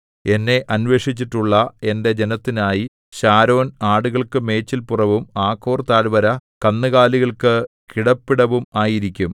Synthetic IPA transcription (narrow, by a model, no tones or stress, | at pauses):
e̞nːe̞ʔɐnʋe̞ːʂit͡ɕːiʈːuɭːɐe̞nde̞d͡ʑe̞nɐt̪ːinaːji | ɕaːɾo̞ːnaːɽuɣɐɭkɨme̞ːt͡ɕːilpurɐʋumaːkʰːo̞ːrt̪aːlbɐɾɐkɐnːɨɣaːliɣɐɭkɨ | kiɽɐpːiɽɐʋumaːjiɾikʲːum